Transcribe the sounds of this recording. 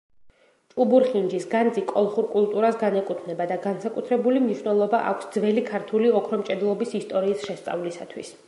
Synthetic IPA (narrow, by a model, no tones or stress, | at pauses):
t͡ʃʼubuɾχind͡ʒisɡand̪zikʼɔlˠχuɾkʼulˠt̪ʼuɾasɡanɛkʼut̪ʰvnɛbad̪aɡansakʼut̪ʰɾɛbulimniʃwnɛlˠɔbaʔa̰kʷʰsd̪zvɛlikʰaɾt̪ʰuliɔkʰɾɔmt͡ʃʼɛd̪lˠɔbisist̪ʼɔɾiːsʃɛst̪sʼa̰vlisa̰t̪ʰwḭs